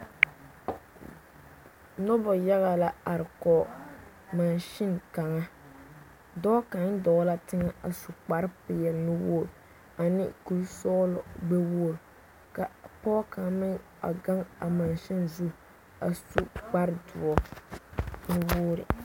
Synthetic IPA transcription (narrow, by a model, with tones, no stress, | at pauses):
nɔ˦bɔ˨ja˦ɣa˨la˦a˨ɾɪ˨kɔ˨ | ma˨nʃɪ˦nka˨ŋa˦ | dɔ˦ka˨n˦dɔ˨˦la˦tɪ˦ŋa˦a˨su˨k͡pa˨ɾpɪ˨jɛ˨lnɪ˦woː˦˨ɾ | a˨nɪ̰˦ku˦sɔ˦lɔ˨ɡ͡be˦woː˦˨ɾ | ka˨pɔː˦ka˨mɪ˦ŋ | a̰˨ɡa˦ŋa˨ma˨nʃɪ˦nzu˦ | a˨su˦k͡pa˦ɾdʊ˨ɔ˦ | nɪ˦woː˦ɾɪ̰˨